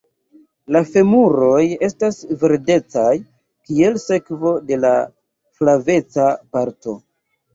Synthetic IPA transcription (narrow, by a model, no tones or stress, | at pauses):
lafe̞muɾo̞je̞stasve̞ɾde̞t͡saj | kie̞lse̞kvo̞de̞la̰ | flave̞t͡sapaɾto̞̰